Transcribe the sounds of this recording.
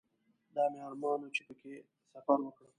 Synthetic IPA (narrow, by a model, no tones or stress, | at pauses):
d̪ɑmeɑlmɑnot͡ʃepəke | safaɾwəkɽə